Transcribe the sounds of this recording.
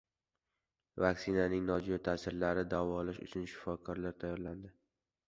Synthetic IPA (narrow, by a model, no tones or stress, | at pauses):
vaksɪnanɪŋnɒd͡ʒjɒt̪ʰasɪɾlaɾɪd̪avɒːlaʃʊ̰t͡ʃʰʊnʃɪ̥fɒkʰɒɾlaɾt̪ʰajːɒɾland̪ɪ